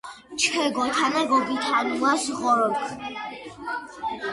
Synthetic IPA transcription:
t͡ʃʰkʰɛɡɔt̪ʰanaɡɔɡit̪ʰanuasʁɔɾɔkʰ

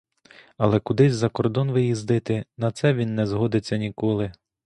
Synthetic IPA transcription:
ɐlˠɛkʊd̪ɪzʲzɐkɔrd̪ɔnʋɪjizd̪ɪt̪ɪnɐt̪sɛʋʲinːɛzɦɔd̪ɪt͡sʲːɐnʲikɔlˠɪ

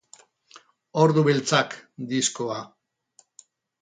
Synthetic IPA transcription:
oɾðuβilt͡sakd̪iskoa

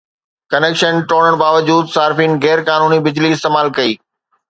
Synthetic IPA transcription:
kɐneːkʃənʈoːɽəɽ̃baːʋəd͡ʑuːd̪saːɾfiːnɣɛːɾkaːnuːnibɪd͡ʑliɪst̪eːmaːlkɐiː

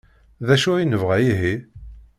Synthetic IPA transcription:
ðæʃʊinəvʁæjiɦi

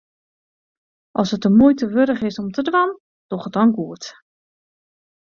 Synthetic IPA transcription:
ʔɔsət̚əmujtəʋøɾəχɪsɔmtʰədʋan | d̥ɔχət̚ɔnɡuət

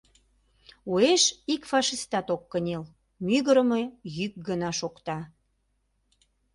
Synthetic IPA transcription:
ueʃikfɑʃist̪ɑt̪okːənʲel | myɣəɾəmejyk̚ɡənɑʃokt̪ɑ

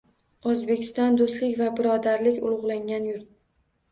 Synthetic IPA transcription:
ozbe̞kʲʰɪ̥st̪ɒnd̪ost̪lɪkʲvabɪɾɒd̪aɾlɪkʲʊlˠʊʁlˠaŋʲanjʊɾt̪̚

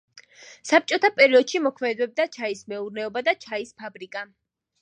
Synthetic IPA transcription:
sap̚t͡ʃʼɔt̪ʰapʼɛɾiɔd̪̥ʃimɔkʰmɛd̪ɛb̚d̪at͡ʃʰaismɛuɾnɛɔbad̪at͡ʃʰaispʰabɾikʼa

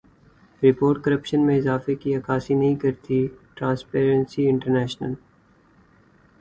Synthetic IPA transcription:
ɾɪpoːɾʈkɐɾəpʃənmẽɪzaːfekiɐkaːsinɐɦĩkɐɾt̪iʈɾãːnspeːɾə̃nsiɪ̃ɳʈəɾnɛːʃnəl

